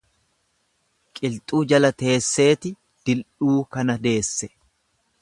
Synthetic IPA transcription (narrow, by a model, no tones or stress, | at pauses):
kʼɪlt̪ʼuːd͡ʒɐlɐt̪e̞ːsːe̞ːt̪ɪ | d̪̥ɪlᶑuːkɐnɐd̪e̞ːsːɛ